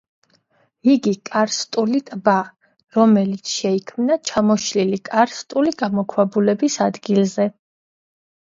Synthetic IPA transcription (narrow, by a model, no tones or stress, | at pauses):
iɡikʼaɾst̪ʼulit̪ʼba | ɾɔmɛlit̪sʰʃɛikʰmnat͡ʃʰamɔʃlilikʼaɾst̪ʼuliɡamɔkʰwabulɛbisad̪ɡilˠzɛ